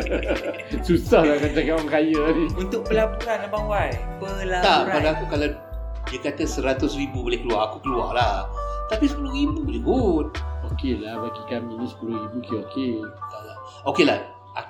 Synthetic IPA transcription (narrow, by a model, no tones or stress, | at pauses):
susahlakad͡ʒakawaŋkajaunt̪ʊk̚pəlapuɾanabawajpəlat̪aɾapadaakukala | diakat̪asəɾat̪ʊsribubolɪhkəluaakukəlua̰laht̪apisəpuluɾibubolibut̪̚okelahbaɡikaminĩsə̥puluhɾibukeoket̪ala | okelah | ʔa